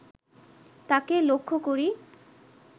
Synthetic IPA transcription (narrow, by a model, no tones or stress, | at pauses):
t̪akelokʰːokoɾi